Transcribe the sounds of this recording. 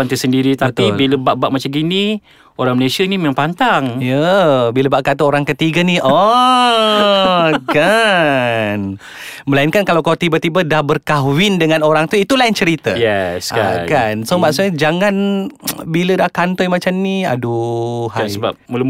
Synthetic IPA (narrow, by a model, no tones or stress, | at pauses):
ant̪əsəndiɾit̪apt̪ibiləbaʔbaʔ̚mat͡ʃamɡini | oɾaŋməlesianimemaŋpant̪aŋjəbiləbaʔkat̪əoɾaŋkət̪iɡaniʔɔ | ka | n | məlainkankalawkalat̪ibat̪ibədahbərkawɪndəŋanoɾaŋt̪uit̪ulaint͡ʃəɾit̪əjɛsakansomaʔsuɲəd͡ʒaŋanbilədahkant̪ɔjmat͡ʃamnia̰duhaasəba̰p̚mələ